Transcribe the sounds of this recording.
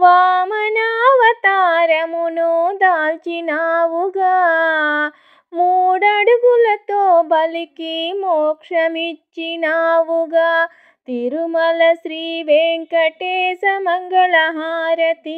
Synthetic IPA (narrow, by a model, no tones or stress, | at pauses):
ʋaːmɐnaːʋɐt̪aːɾɐmunud̪aːlt͡ʃinaːʋuɡa | muːɽɐɽɡulɐt̪oːbɐlikimoːkʂɐmit͡ʃːinaːʋuɡa | t̪iɾumɐlɐsɾiːʋeːŋkɐʈeːsɐmɐŋɡɐɭɐɦaːɾɐt̪i